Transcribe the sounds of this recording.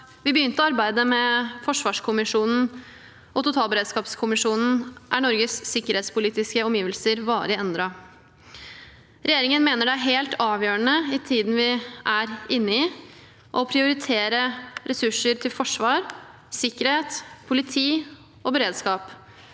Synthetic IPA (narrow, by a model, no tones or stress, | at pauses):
ʋɪbəjʏnt̪əɔɑɾbæɪd̪əmɛfɔʂʋɑːʂkʰʊmɪʂuːnn̩ | ʔɔt̪ʊt̪ʰɑːlˠbəɾeːd̪skɑːpskʰʊmɪʂuːnn̩ʔæɳɔɾɡəsːɪkːəɾheːt̪spʊliːt̪ɪskəɔmjiːʋəlsəɾʋɑːɾɪɛnd̪ɾɑ | ɾʔɛjeːɾɪŋənmeːnəɖɛæɦeːlt̪ɑːʋjøːəɳəɪt̪ʰiːd̪n̩ʋɪʔæɾɪnːəɪ | ʔɔpʰɾɪʊɾɪt̪ʰeːɾəɾɛsʉʂəɾt̪ʰɪlfɔʂʋɑːɾ | sɪkːəɾheːt̪pʰʊlɪt̪ʰiː | ʔɔbəɾeːd̪skɑːp